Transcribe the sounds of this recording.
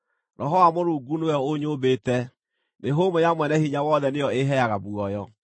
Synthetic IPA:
nɔɦɔwamoɾuːɡunoɔoɲobetɛ | neɦomojamwɛnɛhiɲawɔːðɛneɔeɦɛaɣabuɔjɔ

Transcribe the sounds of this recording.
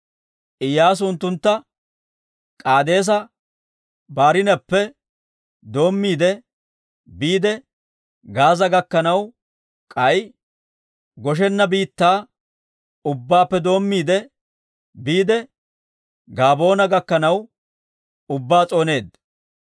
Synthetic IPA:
ʔɪjːaːs̬ʊnt̪ːʊnt̪ːɐ | kʼaːd̪e̞ːs̬ɐ | baːɾɪnɐpːɛ | d̪o̞ːmːiːd̪ɛ | biːd̪ɛ | ɡaːzɐɡɐkːɐnɐw | kʼɐj | ɡɔʃ̬ɛnːɐbiːt̪ːaː | ʊbːaːpːɛd̪o̞ːmːiːd̪ɛ | biːd̪ɛ | ɡaːbo̞ːnɐɡɐkːɐnɐw | ʊbːaːt͡sʼoːne̞ːd̪

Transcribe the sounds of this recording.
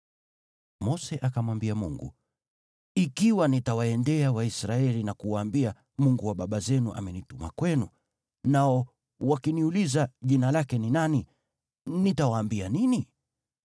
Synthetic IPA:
mɔsɛʔakamwambiamuŋɡṵ | ikiwanitawaɛndɛawaisɾaɛlinakuwaːmbia | muŋɡuwaɓaɓazɛnuʔa̰mɛnituma̰kwɛnu | naɔ | wakiniulizaʄinalakɛninani | nitawaːmbianini

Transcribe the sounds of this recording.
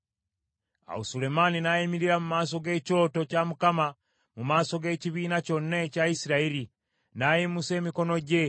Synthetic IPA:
a̰usule̞maninajimiɾiɾamumaːs̬o̞ɡe̞ːco̞ːto̞camukama | mumaːso̞ɡe̞ːciβiːnaco̞nːecaisiɾaiɾi | najimuse̞ːmiko̞no̞ɟe̞

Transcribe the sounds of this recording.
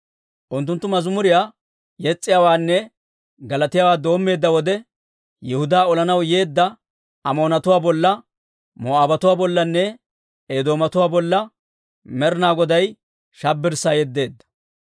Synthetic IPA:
ʔʊnt̪ːʊnt̪ːʊmɐzʊmʊɾɪjaː | jɛt͡sʼːɪjaːwaːnːɛ | ɡɐlɐt̪ɪjaːwaːd̪o̞ːmːe̞ːd̪ːɐwɔd̪ɛ | jɛhʊd̪aːɔlɐnɐwje̞ːd̪ːɐ | ɐmo̞ːnɐt̪ʊwaːbɔlːɐ | mɔaːbɐt̪ʊwaːbɔlːɐnːɛ | ed̪o̞ːmɐt̪ʊwaːbɔlːɐ | mɛɾnaːɡɔd̪ɐj | ʃɐbːɪɾsajɛd̪ːe̞ːd̪ːɐ̥

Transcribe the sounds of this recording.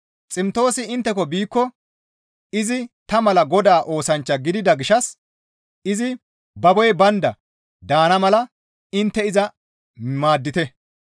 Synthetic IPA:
t͡sʼɪmt̪o̞ːsɪɪnt̪ːɛkɔbiːkːɔ | ɪzɪt̪ɐmɐlɐɡɔd̪aːʔo̞ːsɐnt͡ʃːɐɡɪd̪ɪd̪ɐɡɪʃɐs | ɪzɪ | bɐbɔjbɐnd̪ɐ | d̪aːnɐmɐlɐ | ɪnt̪ːɛɪzɐ | maːd̪ːɪt̪ɛ

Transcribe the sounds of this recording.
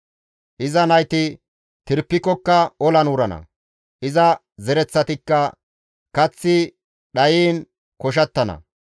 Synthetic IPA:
ʔɪzɐnɐjt̪ɪ | t̪ɪɾpːɪkːɔkːɐɔlɐnwʊɾɐnɐ̰ | ʔɪzɐ | zɛɾɛt͡sːɐt̪ɪkːɐ | kɐt͡sːɪ | ɗɐjiːn | kɔʃ̬ɐt̪ːɐnɐ̰

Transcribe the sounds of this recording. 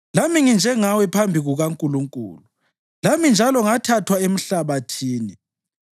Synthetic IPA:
lamiŋind͡ʒʱɛŋawɛpʰambʱiɣuɣaŋkʼuluŋkʼṵːlu | lamind͡ʒʱalɔŋatʰatʰwaem̩ɬaβatʰiːni

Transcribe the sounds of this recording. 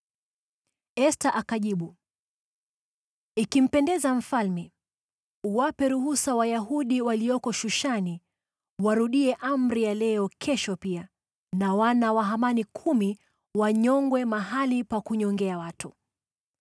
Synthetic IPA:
ɛstaʔakaʄiɓu | ikim̩pɛndɛzam̩falmɛ | uwapɛɾuhusawajaɦuɗiwaliɔkɔʃuʃani | waɾuɗiɛʔam̩ɾijalɛɔkʰɛʃɔpia | nawanawaɦamanikʰumi | waɲɔŋɡwɛmaɦalipakuɲɔŋɡɛawatu

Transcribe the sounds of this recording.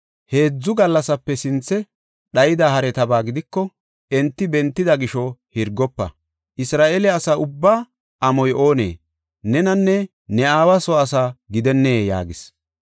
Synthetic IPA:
he̞ːd͡zːʊɡɐlːɐsɐpːɛsɪnt͡sːɛ | ɗɐjɪd̪ahɐɾɛt̪ɐbaːɡɪd̪ɪkːɔ | ɛnt̪ːɪbɛnt̪ːɪd̪ɐɡɪʃɔhɪɾɡːɔpːɐ̰ | ʔɪsɾaːʔeːlɛɐsaːʊbːaː | ʔɐmɔjʔo̞ːnḛː | nɛnɐnːɛ | nɛaːwɐsɔɐsaːɡɪd̪ɛnːeːja̰ːɡɪs

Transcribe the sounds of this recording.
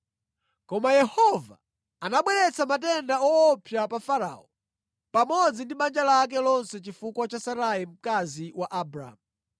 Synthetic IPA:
kɔmajɛhɔva | anaɓwɛɾɛt͡sʰamatɛndaɔːpʰjapafaɾa̰ɔ | pamɔd͡zindiɓand͡ʒalak̬ɛlɔnsɛt͡ʃifukwat͡ʃasaɾaim̩kaziwaʔabɾa̰mu

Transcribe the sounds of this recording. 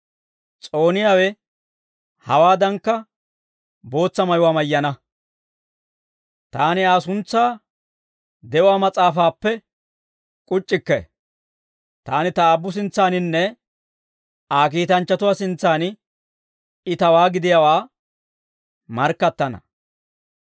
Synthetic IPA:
t͡sʼo̞ːnɪjaːwɛ | hɐwaːd̪ɐŋkːɐ | bo̞ːt͡sːɐmɐjʊwaːmɐjːɐnɐ | t̪aːnɪaːsʊnt͡sːaː | d̪ɛʊwaːmɐt͡sʼaːfaːpːɛ | kʼʊt͡ʃʼːɪkːɛ | t̪aːnɪt̪ɐaːbːʊs̬ɪnt͡sːaːnɪnːɛ | aːk̬iːt̪ɐnt͡ʃːɐt̪ʊwaːsɪnt͡sːaːn | ɪt̪ɐwaːɡɪd̪ɪjawaː | mɐɾkːɐt̪ːɐnɐ̰

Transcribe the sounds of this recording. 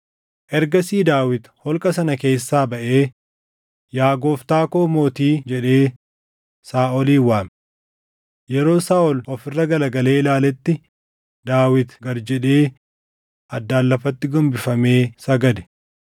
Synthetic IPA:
ʔɛɾɡɐsiːd̪aːwɪt̪hɔlkʼɐsɐnɐke̞ːsːaːbɐʔe̞ː | jaːɡoːft̪aːkoːmo̞ːt̪iːd͡ʒɛᶑe̞ː | saːʔɔliːwaːm | jɛɾo̞ːsaːʔɔlɔfɪrːɐɡɐlɐɡɐle̞ːɪlaːlɛt̪ːɪ | d̪aːwɪt̪ɡɐɾd͡ʒɛᶑeː | ʔɐd̪ːaːlːɐfɐt̪ːɪɡɔmbɪfɐme̞ːsɐɡɐd̪ɛ̥

